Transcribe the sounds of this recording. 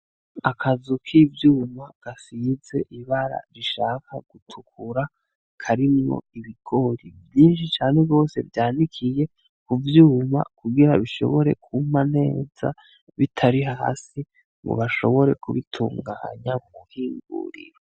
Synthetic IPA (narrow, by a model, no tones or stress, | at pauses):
akʰazukʰivjuːmaɡ̥asize̞ʔiβaɾa̰ɾiʃakʰaɡ̥utʰukʰuɾa | kʰaɾimŋo̰iβiɡ̥o̞ɾibjiːnʃit͡ʃaːneɡɡo̞ːse̞̰vjaːndikʰije̞ | kuvjuːma̰kuɡiɾaβiʃo̞̰βo̞ɾe̞̰kʰumane̞ːz̥a̰ | βitʰaɾiɦa̰ːsi | ŋɡṵβaʃo̞̰βo̞ɾe̞kuβitʰuːŋɡa̰ːɲamumuhiːŋɡṵɾḭɾo